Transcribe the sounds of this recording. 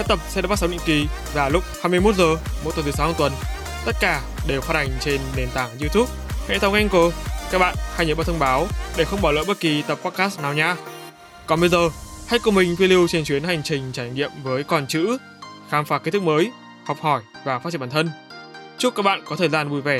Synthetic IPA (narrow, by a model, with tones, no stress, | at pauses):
sa˦˥t̪ə˨˩p̚sɛ̰˧˥ɗːɓ̚sa˨˦ɗḭ˧˨ŋki˨˩ | vaː˨˩lʊ˦˥k͡p̚haː˧jmɨ˧əjmo˦˥t̚zəː˨˩mo̰˨˧˥t̪t̪ʰːsa˨˦wa˧˩t̪wə˨˩n | t̪ə˦˥t̚kaː˧˩ | ɗe˨˩wxaː˧˥t̚ha˨˩jŋ̟t͡ɕe˧nːe˨˩nt̪aː˧˩ŋzi˧t̪ʰu˦˥p̚hɛ̰˧˥t̪ʰə˨˧wŋʔɛ˧ŋko˧˩ka˦˥ɓa̰ː˧˨nhaː˧jɲə˨ɓa˧t̪ʰə˧ŋ͡mɓaː˨˦wɗe˧˩xə˧wŋ͡mɓaː˧˩lə̰ː˧˨ɓə˦˥t̚ki˨˩t̪ə˨˩pːɔ˦˥t̚kaː˦˥snaː˨˩wɲaː˧ | kɔ˨˩nɓə˧jzəː˨˩ha˧˥jko˨˩mï˨˩ŋ̟fwi˧li˧wt͡ɕe˧nt͡ɕwi˨˦ənha˨˩jŋ̟t͡ɕï˨˩ŋ̟t͡ɕaː˧˩jŋḭ˧˨əmvəː˨˦jkɔ˨˩nt͡ɕɨ̰˧˥ | xaː˨˦mfaː˨˩ke˦˥t̪ɨ˦˥k̚məː˨˦j | hɔ˨˩k͡p̚hɔ˧˩jvaː˨˩faː˧˦˥t͡ɕi˧˨ɓaː˧˨˩t̪ʰə˧n | t͡ɕk͡p̚ka˦˥k̚ɓa̰ː˧˨nkɔ˨˦t̪ʰəː˨˩jzaː˧nvu˨˩jvɛ˧˩